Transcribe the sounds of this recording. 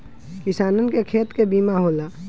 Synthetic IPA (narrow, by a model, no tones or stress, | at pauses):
kɪsaːnənkekʰeːt̪kebiːmaɦoːlaː